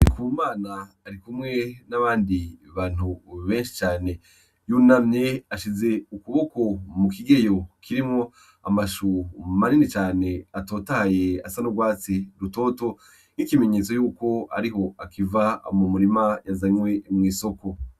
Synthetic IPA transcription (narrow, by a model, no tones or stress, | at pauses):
ikumaːnaː | ɾikumŋe̞naβaːndiβaːn̥huβeːnʃi̥t͡ʃaːne̞ | junamɲe̞aʃize̞ukuβo̞ko̞mukiɡejo̞kʰiɾimŋo̞ | a̰maʃumaninit͡ʃaːneatoːtajeasanoɡwaːt͡siɾuto̞ːto̞ | n̥ikime̞ɲet͡so̞juːko̞a̰ɾiɦo̞akiva̰mumuɾimajazaɲwe̞mŋiːso̞ko̞